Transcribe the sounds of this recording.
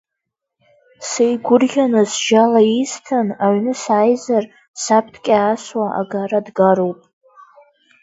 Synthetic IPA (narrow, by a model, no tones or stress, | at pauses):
sejɡʷʊrɡʲanɨzʒalaistʰanaɥnɨsaːjzar | sap̚ʰtʰkʲʼaːswaʔa̰ɡaɾadɡaɾowpʼ